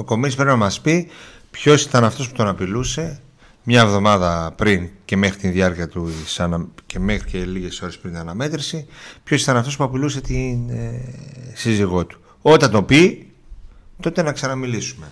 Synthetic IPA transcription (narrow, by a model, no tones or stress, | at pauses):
o̞ko̞mispɾe̞pinɐmɐspipço̞si̥t̪ɐnɐft̪o̞spu̥t̪o̞nɐpiluse̞ | mɲɐevðo̞mɐðɐpɾince̞me̞xɾit̪inðiɐɾciɐt̪usɐnɐcemexɾiceliʝe̞so̞ɾe̞spɾint̪inɐnɐme̞t̪ɾisipço̞si̥t̪ɐnɐft̪o̞spuɐpiluse̞t̪in | siziɣo̞t̪u̥ | o̞t̪ɐnt̪o̞pi | t̪o̞t̪e̞nɐksɐnɐmilisume̞